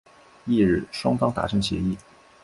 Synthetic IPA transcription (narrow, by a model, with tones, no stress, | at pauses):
i˥˧ɻ̩˥˩ʂwɑ˥ŋfɑ˥ŋt̪a̰˧˥˩ʈ͡ʂʰɤ˧˥ŋɕjɛ̰˧˥i˥˩